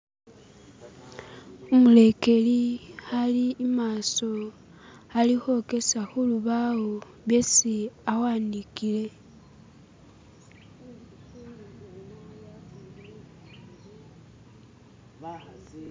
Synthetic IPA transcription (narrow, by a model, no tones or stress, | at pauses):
umule̞ke̞lixaliːmaːso̞ | alixo̞ke̞saxuluβawo | βesiawaːndikile̞